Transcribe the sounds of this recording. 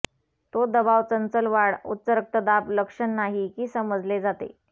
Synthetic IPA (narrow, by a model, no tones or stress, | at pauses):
t̪od̪əbaʋt͡sənt͡səlʋaɽut̪ːt͡səɾək̚t̪əd̪apləkʂəɳːaɦikiːsəməd͡zled͡zat̪ḛ